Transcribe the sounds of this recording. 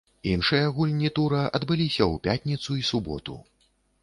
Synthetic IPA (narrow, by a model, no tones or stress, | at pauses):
inʂɨjɐɣulʲnʲit̪uɾɐʔɐd̪bɨlʲisʲɐwpʲat̪ʲnʲit̪suisubɔ̰t̪ṵ